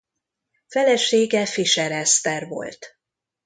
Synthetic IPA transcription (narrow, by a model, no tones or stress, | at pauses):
fɛlɛʃeːɡɛfiʃɛɾɛst̪ɛrvo̞̰lt̪